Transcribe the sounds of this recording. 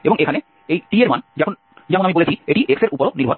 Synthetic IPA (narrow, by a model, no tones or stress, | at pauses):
eboŋekʰane | ejʈieɾma̰nd͡ʑakʰon | d͡ʑɛmonamibolet͡ɕʰieʈiʔekseɾupoɾoniɾbʱo